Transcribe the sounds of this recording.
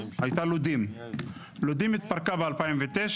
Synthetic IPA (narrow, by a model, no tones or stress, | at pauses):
hajt̪alud̪im | lud̪imit̪̚paʁkabealpaimvet̪eʃ